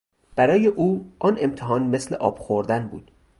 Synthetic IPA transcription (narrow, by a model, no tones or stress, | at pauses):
b̥æɾɒːje̞ʔuːʔɒne̞mt̪ʰeɦɒːnme̞slḛʔɒ̰ːb̥xoɾd̪ænbṵːd̪̥